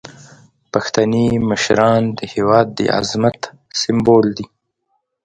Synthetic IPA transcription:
paxt̪animəʃɾɑnd̪əhewɑːd̪ːə̰ʔa̰zmat̪ | sɪmbold̪i

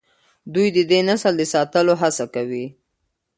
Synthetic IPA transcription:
d̪ujd̪əd̪enasəld̪əsɑt̪əloɦasakawi

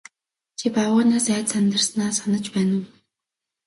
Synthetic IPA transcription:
t͡ɕʰipawʊːnaːsæːt̪sant̪ə̆rsnaːsanə̆t͡ɕpæːnə̆w

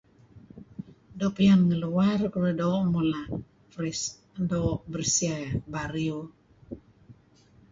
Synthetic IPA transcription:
dopijanŋəluwarkəɾədomula | fris | dobərsiabaɾio

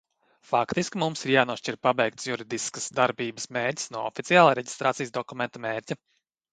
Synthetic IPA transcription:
fakt̪iskʲimumsiɾjaːnuɔʃt͡ʃiɾpabɛjk̚t̪sjuɾid̪iskəsd̪aɾbiːbəsmeːɾtʲi̥snuɔɔfit̪sijaːlˠaɾɛɟʲi̥st̪ɾaːt̪ijsd̪ɔkumʲɛnt̪ɐmeːɾʲcʲa

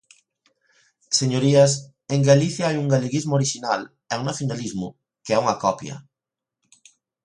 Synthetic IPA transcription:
seɲoɾiɐs | eŋɡaliθjaajuŋɡaleɣizmoɾiʃinal | ɛuŋnaθjonalizmʊ | keɛuŋɐkɔpjɐ̰

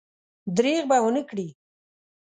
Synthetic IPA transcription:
d̪ɾeɣbawənəkɽi

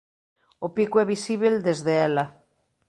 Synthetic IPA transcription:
opikuɛβ̞isiβ̞eld̪ezðeɛla

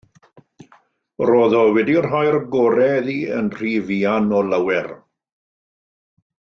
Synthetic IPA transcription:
roːðɔwɛdirɦɔjɾɡɔːɾɛðiːə̰nr̥iːviːanɔləwɛr

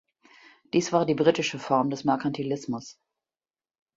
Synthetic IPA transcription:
d̥iːsv̥aːɐdiːbʁitɪʃəfɔɐmdɛsmɛɐkʰantʰilɪsmʊs

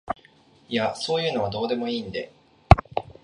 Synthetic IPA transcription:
ijaso̞ːjɯ̟ːno̞β̞ad̪o̞ːd̪e̞mo̞iːnd̪e̞

